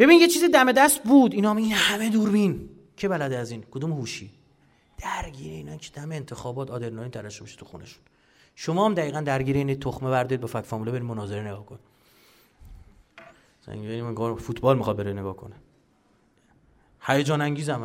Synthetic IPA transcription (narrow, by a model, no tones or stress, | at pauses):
b̥e̞bininjet͡ʃʰiːzid̪æme̞d̪æst̪̚buːd̪inɒminhæme̞d̪uːɾbin | cʰebælæd̪eæziːnkʰod̪umhuːʃiː | d̪̥æɾɟiːɾeinɒicʰe̥d̪æmeːnt̪ʰe̞xɒːbɒːt̪ʰɒːd̪eɾnɒːliːt̪ʰæɾæʃobeʃi̥t̪ʰu̥xṵnʔḛʃu̥n | ʃomɒːmd̪æiːɣænd̪æɾɟiːɾeiːnet̪ʰoxmevæɾd̪ɒɾid̪bɛfækfɒmulbeɾimmonɒːzeɾeneɡɒːhkʰoni | sæ̰ŋɡeɡɒfut̪ʰbɒːlmixɒːd̪̚beɾeneɡɒːhkʰo̰ne | hæjed͡ʒɒːnæŋɟiːzæm